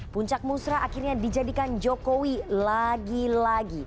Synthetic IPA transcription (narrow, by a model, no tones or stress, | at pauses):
puɲt͡ʃak̚musɾaʔakirɲadid͡ʒadikand͡ʒokowilaɡilaɡi